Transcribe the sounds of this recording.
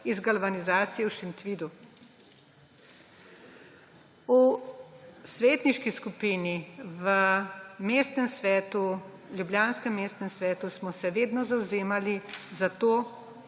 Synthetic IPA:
izɡalbanizaːt̪sijɛwʃint̪ʋid̪u | u | sʋeːt̪niʃkiskupiːniʋəmeːst̪nɛmsʋɛːt̪uljubljaːnskɛmːeːst̪nɛmsʋɛːt̪usmɔsɛʋeːd̪nɔzawzeːmalizat̪oː

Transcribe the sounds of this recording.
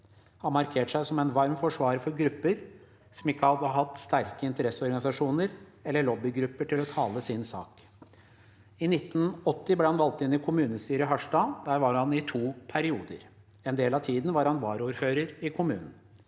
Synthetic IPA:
hɑnmɑɾkʰeːʈʂæɪsɔmɛnʋɑɾmfɔʂʋɑːɾfɔɾɡɾʉpːəɾ | sɔmɪkːəɑd̪ɑhɑt̪st̪æɾkəɪnt̪əɾɛsːəɔɾɡɑnɪsɑʂuːnəɾɛlːəɭɔbːɪɡɾʉpːəʈʰɪlɔt̪ʰɑːləsɪnsɑ̰ːk | ɪnɪt̪ːn̩ɔt̪ːɪbleːhɑnʋɑlt̪ɪnːɪkʰʊmʉːnəst̪yːɾəɦɑʂʈɑːd̪æːɾʋɑɾhɑnɪt̪ʰuːpʰæɾɪuːd̪ə̰ɾ | ɛnd̪eːlɑt̪ʰiːd̪n̩ʋɑɾhɑnʋɑːɾuːɾføːɾəɾɪkʰʊmʉ̰ːnən̩

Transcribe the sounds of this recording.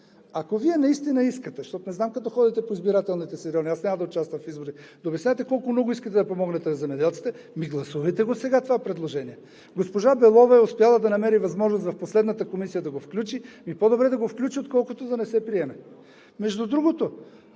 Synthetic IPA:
akoviɛnɐist̪inəiskət̪ɛʃt̪ɔt̪onɛznamkɐt̪ɔxɔd̪it̪ɛpoizbiɾat̪ɛlˠnit̪ɛsɛɾʲɔniasnʲaməd̪ɐʊt͡ʃast̪vɐmfizboɾid̪ɐʊbjɐsʲajt̪ɛkɔlˠkomnɔɡʊiskət̪ɛd̪ɐpomɔɡnɛt̪ɛnɐzɛmɛd̪ɛlˠt̪si̥t̪ɛ | miɡlˠɐsuvɐjt̪ɛɡosɛɡat̪ovapɾɛd̪lˠoʒɛniɛ | ɡospoʒabɛlˠɔvɐɛʊspijalˠəd̪ɐnɐmɛɾivɐzmɔʒnost̪vɐfposlɛd̪nɐt̪əkomisijəd̪ɐɡofklʲut͡ʃimipod̪obɾɛd̪ɐɡofklʲut͡ʃiot̪kɔlˠkot̪od̪ɐnɛsɛpɾiɛmɛ | mɛʒd̪ud̪ɾuɡot̪o

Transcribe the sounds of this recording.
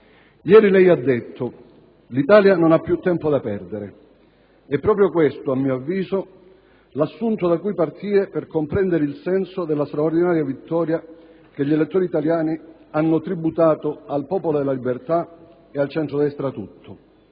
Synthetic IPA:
jɛːɾilɛjad̪ːet̪ʰːo | lit̪aːljanonapːjut̪ːɛmpod̪apɛrd̪eɾe | ɛpːɾɔːpɾjokwest̪oamːiːoavːiːzo | lasːunt̪od̪akujpart̪iːɾeperkompɾɛnd̪eɾeilsɛnsod̪ɛlːast̪ɾaord̪inaːɾjavit̪ːɔːɾja | keʎːelet̪ːoːɾit̪aljaːni | anːʊt̪ɾibut̪aːt̪oalpɔːpolod̪elːalibert̪a | ealt͡ʃɛnt̪ɾod̪ɛst̪ɾat̪ut̪ʰːʊ

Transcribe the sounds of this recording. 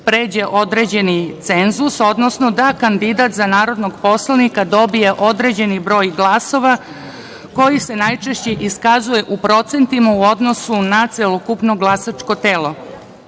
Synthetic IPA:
pɾe̞ːd͡ʑe̞ʔo̞d̪ɾe̞d͡ʑe̞nit̪se̞nzuso̞d̪no̞snod̪akand̪id̪at̪zanaːɾo̞d̪noɡpo̞slˠanikad̪o̞bije̞ʔo̞d̪ɾe̞ːd͡ʑe̞nibɾo̞ːjɡlˠaso̞ʋa | ko̞jise̞najt͡ʃe̞ʃt͡ɕeʔiskazuje̞ʔupɾo̞t̪se̞nt̪imauo̞d̪no̞sunat̪selokupno̞ɡlˠasat͡ʂko̞t̪e̞ːlˠo̞

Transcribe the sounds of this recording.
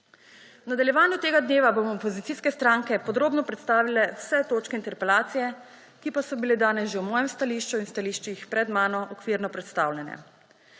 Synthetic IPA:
wnad̪aljɛʋaːnjut̪eːɡad̪neːʋabomɔɔpɔzit̪siːskɛst̪ɾaːŋkɛpɔd̪ɾoːbnɔpɾɛt̪st̪aːʋilɛwsɛt̪oːt͡ʃkɛint̪ɛɾpɛlaːt̪sijɛ | kipasɔbiled̪aːnɛsʒewmɔːjɛmst̪aliːʃt͡ʃuinst̪aliːʃt͡ʃixpɾɛd̪maːnɔʔɔkʋiɾnɔpɾɛt̪st̪aːwlʲɛnɛ̰

